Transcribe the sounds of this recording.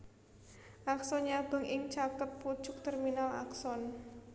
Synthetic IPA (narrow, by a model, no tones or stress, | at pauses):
ʔaksɔnɲab̥ə̤ŋʔɪŋt͡ʃakət̪̚pu̥t͡ʃʊk̚t̪ɛrminala̰ksɔn